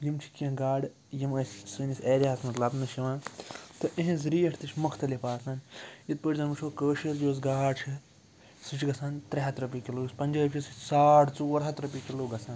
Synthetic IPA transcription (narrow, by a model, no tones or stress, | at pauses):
jimt͡ʃʰi̥kʲɐ̃ɡaːɖ | jimɐsʲsɨnisʲeːɾʲiaːsmɐt̪lɐbnɨʃiʋãːt̪ɨʔẽɦẽzɾiːɐʈʰt̪ɨt͡ʃʰʲmɐkʰt̪ɐlipaːsaːnjit̪̚pəːʈʲzɐnmɨt͡ʃʰoːkəːʃiɾjoːz̬ɡaːt͡ʃʰi | sɨt͡ʃʰɡɐsʰaːnt̪ɾeɦɐt̪ɾɐpikiluːɡɐspɐnʲd͡ʒɐːpʲt͡ʃʰisisaːʈt͡suɐɾɦɐt̪ɾɐpikiluːɡɐsʰaːn